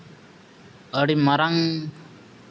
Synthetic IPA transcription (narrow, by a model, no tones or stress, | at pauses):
əɽimɐɾaŋ